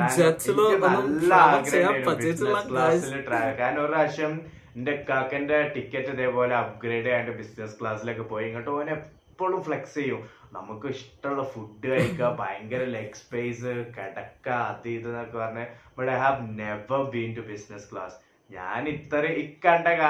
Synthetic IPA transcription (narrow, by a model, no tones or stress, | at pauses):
kaːnnikʲːɨnɐlːɐaɡɾeːɐajɾubiskɭaːsːilʈraːjɐkaːnoɾɨɐɕɐm | inde̞kakːɐndeʈikʲːɐtːɐðeːpo̞ːleɐp̚ɡɾeːɖɐajuɳɖɨbisneskɭaːsilo̞ːk̬ːepo̞ːjɐŋːɐʈːɨoːnepːo̞ːɭumfɭekst͡ɕejːum | nɐ̰mukːɨiʂʈːɐmuɭːɐfuɖːɨɐjikːɐbajɐŋɡɐɾilekspejsɨkeɽɐkːaɐðiiðɨnɐmukːɨpɐrɐɲːɨbɐɽaɦaʋneʋɐbiːntubisneskɭa̰ːs | ɲa̰ːnit̪ːɐreikːɐɳɖɐka